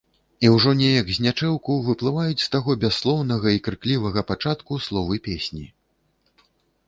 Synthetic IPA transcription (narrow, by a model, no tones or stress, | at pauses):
iwʐɔnʲɛjɐɡzʲnʲat͡ʂɛwkɐwvɨplˠɨvajut͡sʲst̪aɣɔbʲasːlˠɔwnɐɣɐikɾɨklʲivɐɣɐpat͡ʂat̪kuslˠɔvɨpʲesʲnʲi